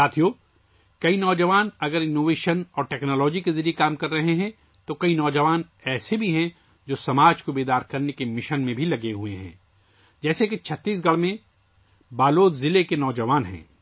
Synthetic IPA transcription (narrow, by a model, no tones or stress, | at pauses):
saːt̪ʰijoː | kɐinɔːd͡ʒəʋaːnɐɡəɾɪnoːʋeːʃənɔːɾʈɛːknɔːlɔːd͡ʒikezɐɾijekaːmkɐɾːɐɦeɦɛ̃ | t̪okɐinɔːd͡ʒɐʋaːn | ɛːsebʱiɦɛ̃ | d͡ʒoːsɐmaːd͡ʒkobeːd̪aːɾkɐɾnekemɪʃənmẽbʱilɐɡeɦuḛɦɛ̰̃ː | d͡ʒɛːseket͡ʃʰɐt̪ːiːs̬ɡɐɭmẽ | baːloːt̪zɪlekenɔːd͡ʒɐʋaːnɦɛ̰̃ː